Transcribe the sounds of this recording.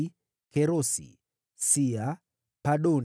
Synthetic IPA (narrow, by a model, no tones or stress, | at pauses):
keɾosḭ | sia | paɗon